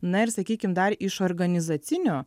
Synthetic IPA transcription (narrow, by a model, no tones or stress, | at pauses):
nɐɪrsɐkʲiːkʲɪmd̪ɐɾɪʃoːɾɡɐnʲɪzɐt̪sʲɪnʲoː